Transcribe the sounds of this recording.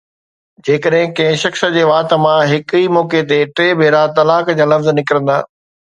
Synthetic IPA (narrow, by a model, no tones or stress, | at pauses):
d͡ʑeːkəɗɦɪ̃kɐ̃ɦɪ̃ʃɐxsə̆d͡ʑeːʋaːt̪ə̆mãɦɪkiːmɔːket̪eʈɾeːbʱeːɾat̪ɐlaːkd͡ʑaːlɐfznɪkɪɾə̃nd̪a̰ː